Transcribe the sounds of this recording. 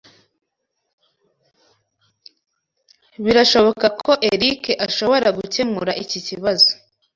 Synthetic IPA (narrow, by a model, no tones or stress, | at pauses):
βiɾaʃo̞βo̞kakʰo̞ʔe̞ɾikeʔaʃo̞βo̞ɾaɡuce̞muɾaʔiciciβazo̥